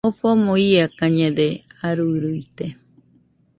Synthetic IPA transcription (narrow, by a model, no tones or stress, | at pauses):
opomõiakãɲẽd̪eaɾuɾuit̪e